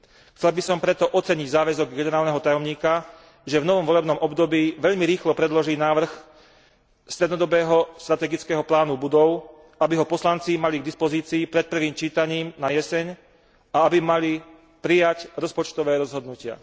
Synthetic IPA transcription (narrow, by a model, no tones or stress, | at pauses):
xtt͡sɛlbisɔmpɾɛt̪ɔʔɔt͡sɛɲiɟzaːʋɛzɔɡɡɛnɛɾaːlnɛɦɔt̪ajɔmɲiːka | ʒɛvnɔʋɔmʋɔlɛbnɔmɔbd̪ɔbiːʋɛʎmiɾiːxlɔpɾɛd̪lɔʒiːnaːʋr̩x | st̪ɾɛd̪nɔd̪ɔbɛːɦɔst̪ɾat̪ɛːɡit͡skɛːɦɔplaːnubud̪ɔʊ | abiɦɔpɔslant͡simaliɡd̪ispɔziːt͡siːpɾɛt̪̚pr̩ʋiːmt͡ʃiːt̪aɲiːmnajɛsɛɲ | aabimali | pɾijacɾɔspɔt͡ʃt̪ɔʋɛːɾɔzɦɔd̪nucɪa̰